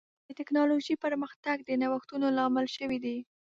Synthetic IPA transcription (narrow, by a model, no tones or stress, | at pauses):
d̪ət̪ɪknɑloʒipəɾməxt̪aɡ̚d̪ənawaxt̪unolɑmɪlʃəwid̪i